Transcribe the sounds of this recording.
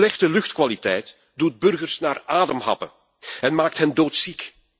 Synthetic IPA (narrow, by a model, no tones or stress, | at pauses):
lɛxtəlʏxtkʋalitɛjt | dud̚bɵrɣərsnaːraːdəmɦɑ̰pə̰ | ɛnmaːk̚tɦɛndoːtsik